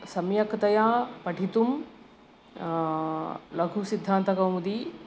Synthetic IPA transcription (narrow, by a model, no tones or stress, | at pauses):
sɐmjɐkt̪ɐjãːpɐʈit̪um | lɐɡʱũsɪd̪ʱːãːnt̪kɐũnd̪iː